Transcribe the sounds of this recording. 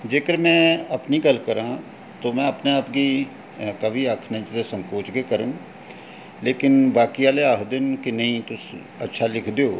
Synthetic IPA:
d͡ʒeːkəɾmɛ̃ːəpniːɡəlkəɾãː | t̪oːmɛ̃ːəpneaːpɡiː | kəʋiːaːkʰnə̃t͡ʃd̪esə̃ŋkoːt͡ʃɡeːkəɾə̃ː | leːkɪnʋaːkiaːleaːɦd̪ɪnkɪnəɦĩːt̪ʊs | ə̰tːʃʰaːlɪkʰd̪eoː

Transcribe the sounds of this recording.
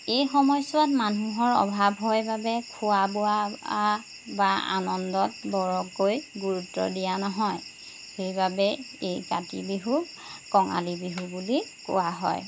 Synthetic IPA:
ejxɔmɔjswatmanuɦɔɹɔ̰bʱabʱɦɔjbabɛkʰuwabʊa | baa̰nɔndɔt̚bɔɹɔkojɡuɹutːɔ̰dijanɔɦɔj | xejbabɛ | ejkatḭbiɦu | kɔŋa̰libiɦubulikʊ̰waɦɔ̰j

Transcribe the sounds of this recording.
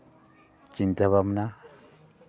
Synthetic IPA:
t͡ʃint̪aβamna

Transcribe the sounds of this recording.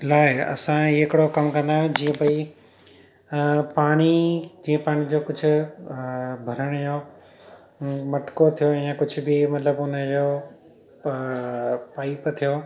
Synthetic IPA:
laːɪɐ̰sãɪkɪɽokɐmkɐ̃nd̪ãːd͡ʑiːə̃bɐi | paːɽ̃id͡ʑiːə̃paːɽ̃id͡ʑoːkʊd͡ʑʱʊ̆ | bʱɐɾəɽ̃jo | mɐʈkot̪ʰijoɛ̃jãkʊd͡ʑʱʊbɪmɐt̪ləbʊnəd͡ʑoː | paːipt̪ʰijoː

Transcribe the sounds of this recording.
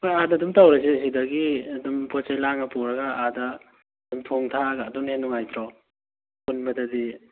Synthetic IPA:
pojadɐːdumtawɾɐsisidɐɡiɐdumpɔt͡ʃajlaŋɐpuwɾɐɡɐadɐː | d̥umtʰoŋtʰaɡɐːdunhenːuŋajt̪ʰɾɔ | punbɐdɐdi

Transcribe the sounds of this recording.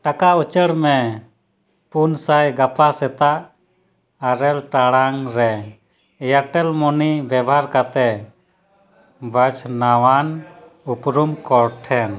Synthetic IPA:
ʈakaut͡ʃəɽmɛ | punsajɡapʰasɛt̪aʔ | əɾɛlʈaɽaŋɾɛ | jaʈɛlmɔnibjɛbɦaɾkat̪ɛ | bʱət͡ʃʰnawan | upɾumkɔɾʈʰɛn

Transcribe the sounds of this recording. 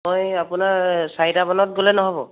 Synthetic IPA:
mɔjapunaɹsajdabɔnɔt̚ɡolɛnɔɦɔbɔ̰̃

